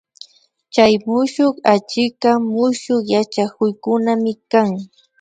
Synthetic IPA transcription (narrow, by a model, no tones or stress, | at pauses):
t͡ʃajmʊʃoχat͡ʃɪkamʊʃoχjat͡ʃakʊjkʊnamɪkaŋ